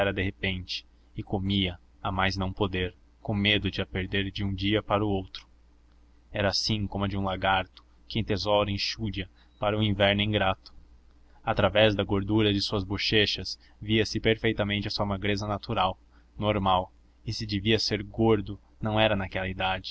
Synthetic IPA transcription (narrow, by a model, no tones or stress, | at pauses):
ɛɾɐd̪eɦepẽnt͡ʃɪ̥ | ɪkomiɐ | amajznɐ̃w̃pod̪eɾ | kõmed̪ʊd͡ʒɪɐpeɾd̪eɾd͡ʒɪũd͡ʒiɐpaɾʊowt̪ɾʊ̥ | ɛɾɐːsĩkõmʊd͡ʒɪũlaɡaɾt̪ʊ̥ | kɪẽt̪ezɔɾɐẽʃuɾiɐ | paɾɐuĩvɛɾnʊĩɡɾat̪ʊ̥ | at̪ɾavɛzd̪ɐɡoɾd̪uɾɐd͡ʒɪsuɐzboʃeʃɐs | viɐsɪpeɾfejt̪ɐmẽnt͡ʃɪɐsuɐmaɡɾezɐnat̪uɾaw | noɾmaw | ɪsɪd͡ʒɪviɐseɾɡoɾd̪ʊ | nɐ̃w̃ɛɾɐnakɛlɐid̪ad͡ʒɪ